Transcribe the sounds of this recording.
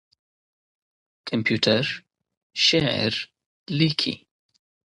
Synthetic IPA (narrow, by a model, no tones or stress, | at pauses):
kʰəmpʰjuːtʰəɾ | ʃɛɾ | likʰḭ